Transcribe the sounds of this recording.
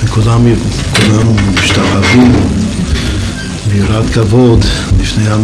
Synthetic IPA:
nekulamkulamːiʃt̪aʔavim | biɾat̪kavod̪lifnejhan

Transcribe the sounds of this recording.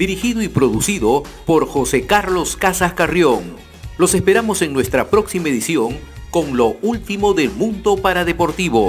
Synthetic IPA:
d̪iɾixiðoipɾo̞ðusiðo̞ | po̞ɾxo̞sekaɾlo̞skasaskarjoŋ | lo̞se̞spe̞ɾamo̞se̞ŋnwe̞st̪ɾapɾo̞ksimaeðisjo̞ŋ | ko̞ŋlo̞ult̪imo̞ðe̞lmũnd̪o̞paɾaðepo̞ɾt̪iβo̞

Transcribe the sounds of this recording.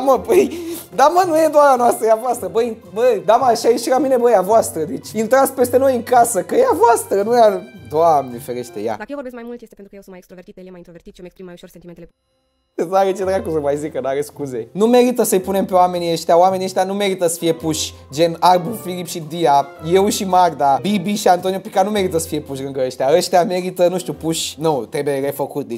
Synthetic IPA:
aməpəjd̪amənujed̪oaɾanoast̪ɾəjavoast̪ɾəbəj | bəd̪amaʃajeʃiɾamine̞bəjavoast̪ɾəd̪it͡ʃʲint̪ɾat̪sʲpe̞st̪eno̞jɨŋkasəkəjavoast̪ɾənujad̪oad̪ifeɾeʃt̪eja̰d̪akjewvoɾbeskmajmult̪jest̪eent̪ɾukjewsunmjekst̪ɾovert̪it̪jelemajnt̪ɾoveɾt̪it̪ʃomekspɾimajuʃorsent̪iment̪ele | eaɣet͡ʃ̪ẽt̪ɾakuzɐmajzikɐnaɣɐskuzenũmɛɾit̪ɐsɐjpunẽmpewamẽniɐʃt̪ɛwamẽneʃt̪ɛnũmɛɾit̪ɐsfiɐpuʃ | ʒenaɾbufilipʃid̪iaiewʃimaɡd̪abibiʃãnt̪onjupikanũmɛɾit̪ɐsfiɐpuʃ̬ɣɐ̃ŋɡɐɐʃt̪ɛɐʃt̪ɛmeɾit̪ɐnũʃt̪upuʃnɐ̃w̃t̪ɛbeɣɛfokut̪̚d̪iʃ

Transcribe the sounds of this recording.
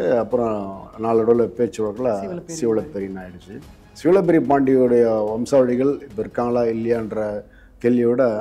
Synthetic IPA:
ɐpːɯɾɔ̃naːlɐɽoːlɐpeːt͡ʃːɯʋɐɣɐlaːsɪʋɪɭɐpːɛɾinaːɪɽɯt͡ʃːɯ | sɪʋɪɭɐp̬ːɛɾipaːɳɖiɔɽɐjɐʋɐmsaːʋɐɽɪɣɐɭɪpːɐɪɾɯkːaːŋɡɐlaːɪlːɐjaːɪndɾɐ | kɛɭːɪʋɪɽɐ

